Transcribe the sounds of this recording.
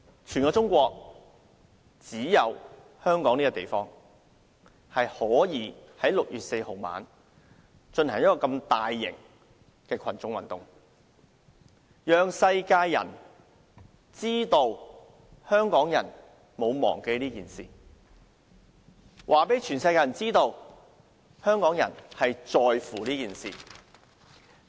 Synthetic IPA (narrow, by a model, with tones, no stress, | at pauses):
t͡ʃʰyː˨˩nkɔː˧t͡ʃʊ˥ŋkʷɔː˧k̚ | t͡siː˨˥jɐ˨˧w | hœː˥ŋkɔː˨˥ŋniː˥kɔ˧t̪ḛ˨˩jfɔː˥ŋ | hɐ˨jhɔː˨˥jiː˨˧hɐ˨˥jlʊ˨k̚jyː˨t̚se˧jho˨wma̰ː˨n | t͡ʃɵ˧nhɐ˨˩ŋjɐ˥tkːɔː˧kɐ˧mt̪aː˨jːɪ̰˨˩ŋ | kɛː˧kʰɐ˨˩nt͡ʃʊ˨˧ŋwɐ̰˨˩nt̪ʊ˨ŋ | jœː˨ŋsɐ˧jkaː˧jːɐ̰˨˩n | t͡siː˥t̪o˧w | hœː˥ŋkɔː˨˥ŋjɐ̰˨˩n | mo˨˧wmɔ̰ː˨˩ŋke˧jliː˥kiː˨˩nsḭː˨ | wʔaː˨˩pe˨˥jt͡ʃʰyː˨˩nsɐ˧jkaː˧jɐ˨˩nt͡siː˥t̪o˧w | hœː˥ŋkɔː˨˥ŋjɐ̰˨˩nhɐ˨jt͡ʃɔː˨jfuː˨˩liː˥kiː˨˩nsḭː˨